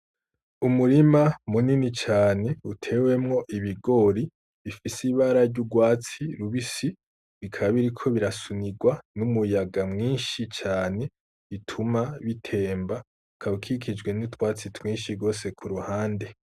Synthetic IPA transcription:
umuɾimamuninit͡ʃaːne̞utʰe̞ːwe̞mŋo̞ʔiβiɡo̞ɾi | βifisiβaɾaɾɟuɡwaːt͡siɾuβisi | βikʰaβaβiɾikʰo̞βiɾasuniɡwanumujaɡamŋiːnʃit͡ʃaːne̞ | itʰumaβitʰe̞ːmba | kʰaβikʰikʰid͡ʒɡwe̞nutwaːt͡sitwĩːnʃiɾɡo̞ːse̞kʰuɾuhaːnde̞

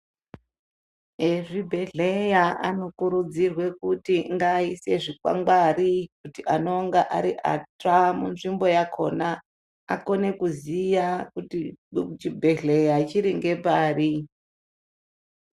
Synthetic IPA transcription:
eʐibʱe̞ɮejaʔano̞kuɾud͡zirwe̞kutiŋɡaise̞ʐikwa̰ŋɡwarikutiʔano̞ŋɡaʔaɾiʔa̰tamunʐimbo̞jakʰo̞̰na | ako̞ne̞kuzijakutit͡ʃibʱe̞ɮe̞jait͡ʃiɾiŋɡe̞paːri

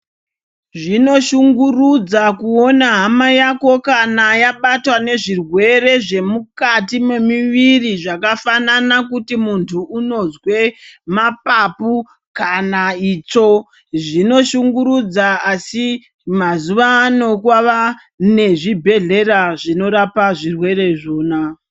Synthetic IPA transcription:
ʐino̞ʃuŋɡurud͡zakuo̞naɦamajako̞kanajaɓatwane̞ʐirwe̞re̞ʐe̞mukatime̞miʋiriʐakafananak̬utimuntʰuːno̞zwe̞mapapu | kanaiːt͡ʃo̞ | ʐino̞ʃuŋɡuɾud͡zaasi | mazuʋano̞kwaʋa | ne̞ʐibʱe̞ɮe̞raʐino̞ɾapaʐirwe̞ɾe̞ʐo̞ːna

